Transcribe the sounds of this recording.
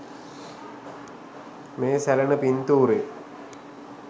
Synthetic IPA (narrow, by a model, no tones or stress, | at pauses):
meːsɛlɐnəpint̪uːɾe